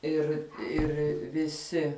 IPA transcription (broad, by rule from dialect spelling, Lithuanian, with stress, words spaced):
ˈɪr ɪr ʋʲɪˈsʲɪ